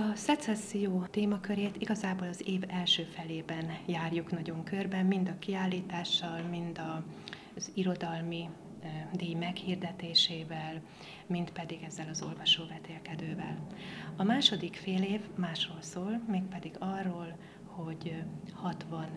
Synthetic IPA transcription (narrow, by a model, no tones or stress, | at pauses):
ɒsɛt̪sɛsːijoːt̪eːmɒkøɾeːt̪iɡɒzaːboːlɒzeːvɛlʃøːfɛleːbɛnjaːrjuknɒɟo̞ŋkørbɛmmind̪ɒkiaːlːiːt̪aːʃːɒlmind̪ɒ | z̥iɾo̞d̪ɒlmi | d̪eːjmɛkhiːrd̪ɛt̪eːʃeːvɛl | mint̪pɛd̪iɡɛzːɛlɒzo̞lvɒʃoːbɛt̪eːlkɛd̪øːvɛ̰lɒmaːʃo̞d̪ikfeːleːvmaːʃroːlsoːlmeːk̚pɛd̪iɡɒrːoːl | ho̞ɟhɒt̪ʋɒn